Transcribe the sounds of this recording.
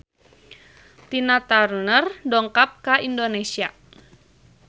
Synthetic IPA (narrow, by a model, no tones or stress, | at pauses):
t̪inat̪arnərdɔŋkap̚kaʔindonesia